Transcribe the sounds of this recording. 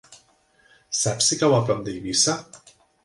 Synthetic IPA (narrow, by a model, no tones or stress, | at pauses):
sapsikawapɾɔmd̪eiβisa